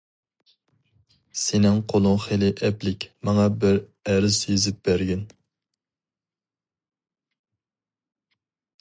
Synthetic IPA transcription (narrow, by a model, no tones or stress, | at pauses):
senɪŋqʰolˠʊŋχelɪʔɛplɪkʲmɑŋɑbɪɾæɾɪzjezɪp̚bæɾɡʲɛn